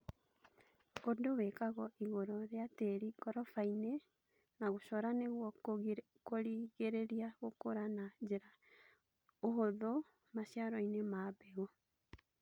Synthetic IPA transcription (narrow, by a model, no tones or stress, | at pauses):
odowekaɣɔʔiɣoɾɔɾeateɾiɡɔɾɔfaine | naɣoʃɔɾaneɣwɔ | koɾiɣeɾeɾiaɣokoɾanad͡ʑeɾa | oɦoðo | maɕjaɾɔinemabɛɣo